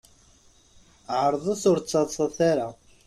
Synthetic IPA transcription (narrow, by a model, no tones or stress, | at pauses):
ʕəɾˤðˤəθʊɾt͡sˤːɑðˤsˤɑθaɾa